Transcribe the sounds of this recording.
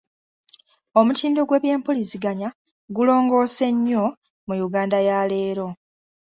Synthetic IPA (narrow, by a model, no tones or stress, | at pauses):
o̞mutʰiːndo̞ɡwe̞ːβje̞ːmpolisiɡaɲa | ɡulo̞ːŋɡo̞ːse̞ɲːo̞ | mujuɡaːndajale̞ːɾo̞